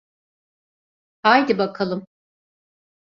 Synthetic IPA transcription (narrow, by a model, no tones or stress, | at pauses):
hajd̪ibakʰalˠɯm